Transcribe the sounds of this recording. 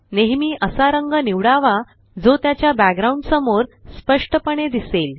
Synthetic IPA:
neɦmiːʔəsaɾəŋɡəniʋɽaʋa | d͡zot̪jat͡ɕjabæɡɾaũɳɖsəmoɾspəʂʈəpəɳ̃ed̪isel

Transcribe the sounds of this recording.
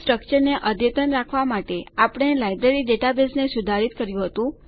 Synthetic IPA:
sʈɾək̚t͡ʃəɾneʔəd̪jət̪ənɾakʰʋamaʈeapəɳ̃elajbɾeɾiɖeʈabesnesud̪ʱaɾit̪̚kəɾjũɦət̪ũ

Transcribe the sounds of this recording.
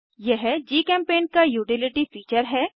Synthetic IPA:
jɛɦd͡ʒiːkɛ̃ːmpeːnkajuːʈɪlɪʈifiːt͡ʃəɾɦɛː

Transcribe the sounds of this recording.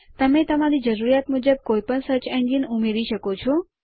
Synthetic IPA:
t̪əmẽt̪əmãɾid͡ʒəɾuɾijat̪mʊd͡ʒəb̚koipəɳsət͡ʃɛ̃ɲd͡ʒinʊmeɾiʃəkot͡ʃʰɔ

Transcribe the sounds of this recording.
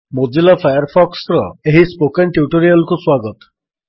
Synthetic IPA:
mod͡ʒilapʰajɔɾpʰɔksɾɔeɦispokenʈjuʈoɾialkuswaɡɔt̪ɔ̥

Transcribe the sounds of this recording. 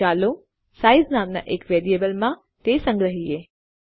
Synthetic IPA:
aːlo | saiznamna̰ʔekʋeɾiebəlmã | t̪esə̃ŋɡɾəɦie

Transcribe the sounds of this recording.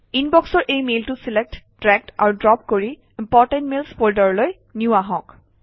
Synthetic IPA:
inbɔksɔɹʔejmeltusilek̚ttɹɛk̚ta̰ɹudɹɔp̚koɹi | impɔɹtɛntmelspoɹdɔɹloj | njuʊaɦɔ̃k

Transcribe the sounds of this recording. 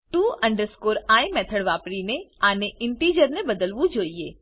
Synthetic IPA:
t̪ũəɳɖəɾskoɾajmɛt̪ʰəɽʋapɽineaneʔɪnʈid͡ʒəɾnebəd̪əlʋũd͡ʒoie

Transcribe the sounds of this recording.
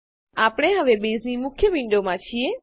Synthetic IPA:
apɽ̃eɦəʋebeznimʊkʰjəʋɪ̃ɳɖomãt͡ʃʰie

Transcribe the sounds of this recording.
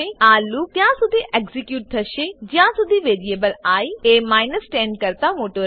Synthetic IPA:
eaːlːuːt̪jãːsʊd̪ʱiːʔɛːkzɪkjuːʈ̚d̪ʰəʃed͡ʒãːsʊd̪ʱiːʋeːɾieːbəlaːiːeːmaːɪnəsʈɛ̃ːɳɖ̚kəɾt̪ãːmoːʈoː

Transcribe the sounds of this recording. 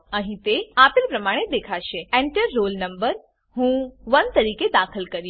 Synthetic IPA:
əɦĩt̪eapelpɾəmaɽ̃ed̪ekʰaʃeẽɳʈəɾːolnəmbəɾ | ɦũʋənt̪əɾiked̪akʰəlkəɾj

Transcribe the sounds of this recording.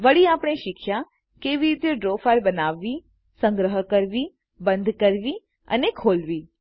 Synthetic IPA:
ʋəɽiapɽ̃eʃɪkʰja | keʋiɾit̪joɖɾofaɾbənaʋːi | sə̃ŋɡɾəɦəkəɾʋi | bənd̪ʱkəɾʋi | ə̰nekʰolʋiː

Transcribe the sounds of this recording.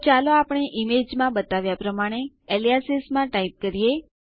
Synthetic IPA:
t͡ʃaloapɳ̃eʔimed͡ʒmãbət̪aʋjapɾəmaɽ̃e | elijasismãʈaip̚kəɾije

